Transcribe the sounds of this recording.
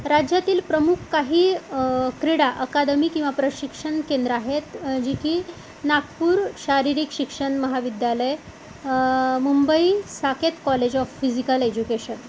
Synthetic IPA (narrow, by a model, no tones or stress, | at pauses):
ɾad͡ʑjat̪iːlpɾəmukʰkaɦiːkɾiɽaʔəkad̪əmiːkĩw̃ʋapɾəɕikʂəɳkend̪ɾəaɦet̪d͡ʑikiː | nakpuːɾɕaɾiɾikɕikʂəɳməɦaʋid̪jaləj | mumbəisaket̪kɔled͡ʑɔfːid͡ʑikəled͡ʑukeɕən